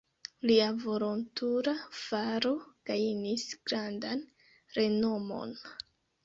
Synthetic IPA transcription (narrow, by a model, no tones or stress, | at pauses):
liavo̞lo̞ntuɾav̥aɾoɡ̥ajnisɡ̥ɾandan | ɾe̞no̞mo̞̰n